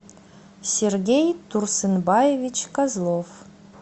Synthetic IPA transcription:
sʲerɡʲejt̪ursɨnbɑjevʲit͡ɕkɑzlˠof

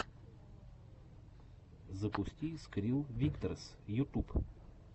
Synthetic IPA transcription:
zəpust̪ʲiːskɾilˠvʲikt̪əɾs | jut̪up

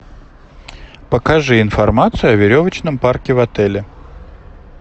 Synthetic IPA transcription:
pəkɐʐɨɪnfɐrmat̪sɨjʊɐvʲɪɾʲovət͡ɕnəmparkʲɪvɐt̪ɛlʲɪ

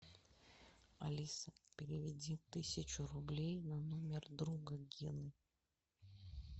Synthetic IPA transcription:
ɐ̰lʲisəpʲɪɾʲɪvʲɪdʲit̪ɨsʲɪt͡ɕʊɾʊblʲejnɐnomʲɪrd̪ɾuɡəɡʲinɨ

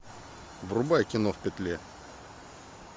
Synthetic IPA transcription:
vrʊbajkʲɪnofpʲɪt̪lʲe

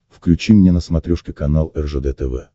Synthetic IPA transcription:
fklʲʉt͡ɕimnʲenəsmɐt̪ɾʲoʂkʲɪkɐnalˠɛrʐəd̪ɛt̪ɛvɛ̰

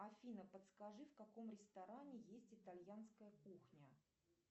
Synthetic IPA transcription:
ɐfʲinəpət̪skɐʐɨfkɐko̞mɾʲɪst̪ɐɾanʲɪjesʲtʲɪt̪alʲjanskəjəkuxnʲə

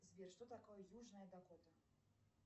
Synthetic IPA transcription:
zʲbʲirʂt̪ɔt̪akɔjɐjuʐnɐjɐd̪akɔt̪ɐ

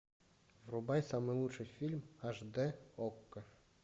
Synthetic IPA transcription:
vrubɑjsɑmɤjlˠut̪ʂɤ̆jfʲilʲmɑʐd̪ɘokːɤ̆

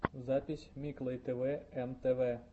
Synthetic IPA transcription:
zapʲisʲmʲiklˠejt̪eʋɛɛnt̪eʋɛ

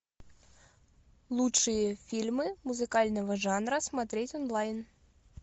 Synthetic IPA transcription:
lˠutʂɨjɐfʲilʲmɨmuzɨkalʲnɐvɐʐanɾɐsmat̪ɾʲɛt͡sʲɔnlˠajn

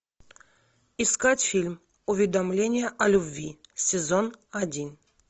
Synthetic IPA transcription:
iskatʲfʲilʲm | ʊvʲɪd̪ɐmlʲenʲɪjəʔɐlʲʊbʲvʲisʲɪzonɐdʲin

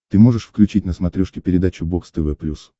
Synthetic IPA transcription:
t̪ɨmo̞ʐɨʂfklʲʉt͡ɕitʲnəsmɐt̪ɾʲoʂkʲɪpʲɪɾʲɪd̪at͡ɕʊbokst̪ɨvɛplʲus

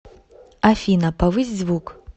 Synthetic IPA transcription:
afʲinɐpɐvɨzʲzʲvuk

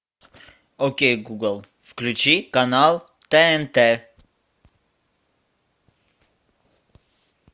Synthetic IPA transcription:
okeːɡuɡəlˠ | fklʉt͡ʃikɑnɑːl | t̪eɛnt̪e

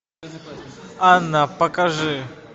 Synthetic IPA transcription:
anapɐkaʐɨ

